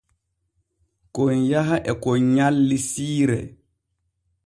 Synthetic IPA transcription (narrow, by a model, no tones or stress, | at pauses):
kɔnjaɦaʔɛkɔɲalːisiːɾɛ̰